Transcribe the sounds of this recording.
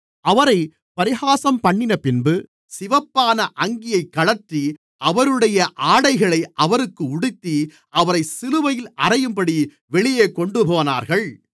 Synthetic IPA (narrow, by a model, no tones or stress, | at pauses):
ɐʋɐɾɐɪ | pɐɾɪɣaːsɐmpɐɳːɪnɐpɪnbɯ | sɪʋɐpːaːnɐʔɐŋɡɪjɐɪkːɐɭɐʈri | ʔɐʋɐɾɯɽɐjɐʔaːɽɐɪɣɐɭɐɪʔɐʋɐɾɯkːɯʊɽɪt̪ːi | ʔɐʋɐɾɐɪsɪlɯʋɐjɪlʔɐrɐjɯmpɐɽi | ʋɛɭɪjeːkɔɳɖɯpoːna̰ːɾɣɐɭ